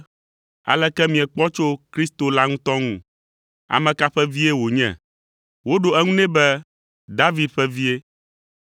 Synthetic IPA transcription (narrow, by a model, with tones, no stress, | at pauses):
a̰˨lɛ˦kɛ˦mĩ˨ɛ˨k͡pɔ˦t͡ʃo˦kɾi˦st̪o˨la˦ŋũ˦t̪ɔ˦ŋũ˦ | a̰˨mɛ̃˨ka˦ɸɛ˦vi˦e˦wo˨ɲɛ̰̃˨ | wo˦ɖo˨ɛ˦ŋũ˦nɛ̃˦bɛ˦ | d̪a˦vi˨d̪̚ɸɛ˦vi˦e˦